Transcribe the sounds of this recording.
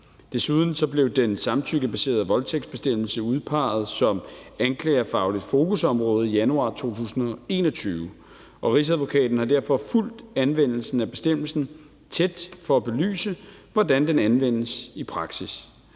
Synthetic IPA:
d̥e̝suð̞ˠn̩sɒ̽b̥le̝ʊd̥ensɑ̈mt͡sʰyɡ̥əb̥æse̝̰ɐðˠʋɒ̽lt͡sʰeɡ̥sb̥e̝sd̥em̰l̩səuð̞ˠpʰɑ̈ːð̞̩ˠsɒ̽mænkʰlɛ̰ːɐfɑ̈ʊlid̥fo̝ːkʰusɒ̽mʁɔːð̩ˠijænuɑ̰̈ːt͡sʰo̝̰ːt͡sʰṵːsn̩ɒ̽e̝̰ːnɒ̽t͡sʰyːʊə | ʔɒ̽ʁis̬æðˠʋo̝kʰɛ̰ːd̥n̩hɑ̈d̥æɐ̰fɒ̽ful̰d̥ænʋen̰l̩sn̩æb̥e̝̥sd̥em̰l̩sn̩ | t͡sʰed̥fɒ̽æb̥e̝ly̰ːsəʋɒd̥ænd̥enænʋen̰əsipʰʁɑ̈ɡ̥sis

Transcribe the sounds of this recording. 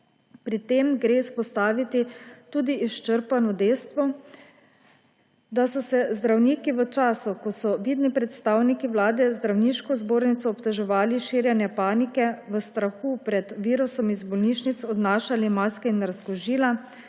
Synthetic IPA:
pɾit̪emɡɾeːspɔst̪aːʋit̪it̪uːd̪iːʃt͡ʃəɾpanɔd̪eːst̪ʋɔ | d̪asɔsɛzd̪ɾawniːkiʋət͡ʃaːsukɔsɔʋiːd̪nipɾɛt̪st̪aːwnikiʋlaːd̪ɛzd̪ɾawniːʃkɔzboːɾnit̪sɔːpt̪ɛʒɛʋaːliʃiːɾjɛnjɛpaːnikɛʋəst̪ɾaxupɾɛd̪ʋiːɾusɔmizbɔlniːʃnit̪sɔd̪naːʃalimaːskɛinɾaskɔʒiːla

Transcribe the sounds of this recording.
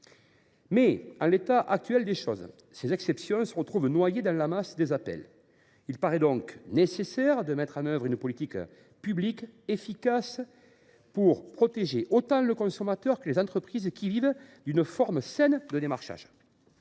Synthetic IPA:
mɛɑ̃let̪aʔak̚t̪ɥɛld̪eʃɔz | sezɛksɛpsjɔ̃səʁət̪χuvnwajed̪ɑ̃lamasd̪ezapɛ̰l | ilpaʁɛd̪ɔ̃ŋknesesɛʁd̪əmɛt̪χɑ̃nœvʁynəpɔlit̪ik | pyblikefikas | puʁpχɔt̪eʒeʔot̪ɑ̃ləkɔ̃sɔmat̪œʁkəlezɑ̃t̪χəpχizkʲivivd̪ynəfɔʁməsɛnd̪əd̪emaʁʃa̰ʒ

